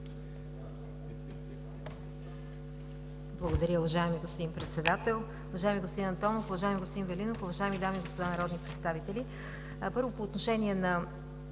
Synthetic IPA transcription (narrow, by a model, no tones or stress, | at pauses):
blˠɐɡod̪ɐɾʲəʊvɐʒaɛmiɡost̪impɾɛt̪sɛd̪at̪ɛlˠ | ʊvɐʒajɛmiɡost̪inɐnt̪ɔnofʊvɐʒaɛmiɡost̪d̪invɛlinofʊvɐʒaɛmid̪amiːɡospod̪anɐɾɔd̪nipɾɛt̪st̪avit̪ɛli | pɤɾvopoːt̪noʃɛniɛnɐ